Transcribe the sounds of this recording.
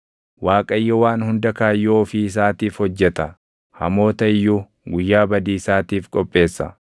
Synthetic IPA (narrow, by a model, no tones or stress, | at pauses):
waːkʼɐjːɔwaːnhʊnd̪ɐkaːjːoːfɪɪs̬aːt̪iːfhɔd͡ʒːɛt̪ɐ | hɐ̰mo̞ːt̪ɐɪjːu | ɡʊjːaːbɐd̪iːɪsaːt̪iːfkʼɔpʼːe̞ːsːɐ̰